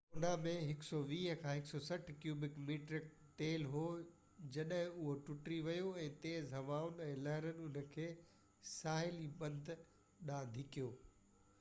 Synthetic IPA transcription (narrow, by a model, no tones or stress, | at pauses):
onamẽɦɪksɔʋiːɦəkʰãːɦɪksɔsɐʈʰkjuːbɪkmiːʈɾɪk̚ | ʈeːlɦoː | d͡ʑɐɗəɦɪ̃ʊɦoʈʊʈɾiʋɐjoɛ̃ːt̪eːzɦɐʋaːʊnɪ̆ɛ̃ːlɐɦɪɾənɪ̆ʊnə̆kʰeː | saːɦɪlibɐ̃nd̪ʱ | ɗãːd̪ʱɪkijoː